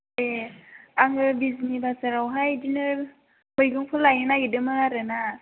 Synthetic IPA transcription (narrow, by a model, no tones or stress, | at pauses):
e | aŋɯbiznibasaɾawɦajdinɯ | bɯjɡɯŋpʰɯlajnɯnajidɯmɯaɾɯna